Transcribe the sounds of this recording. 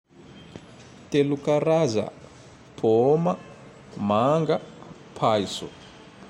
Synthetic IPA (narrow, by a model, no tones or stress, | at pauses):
telukaraza̰ | pʰɔma | maŋɡa | pʰaːisɔ̰